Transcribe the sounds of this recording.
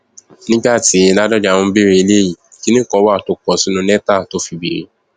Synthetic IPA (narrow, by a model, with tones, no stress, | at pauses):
nĩ˦ɡ͡ba˦˨ti˨˦˧la˦dɔ˦d͡ʒa˨wɔ̃˧˦bi˦ɾe˧i˧le˦ji˦˨ | ki˦nĩ˦kɔ˨˦wa˦˨to˦kɔ˧si˦nũ˧˦nɛ˦ta˦˨to˦fi˧bḭ˨ɾḭ˨